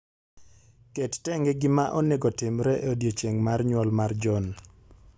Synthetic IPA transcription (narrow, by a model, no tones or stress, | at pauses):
kettɛŋɡɛɡɪmaʔɔneɡɔtɪmɾɛʔodjot͡ʃeŋmarɲwɔlmard͡ʒɔn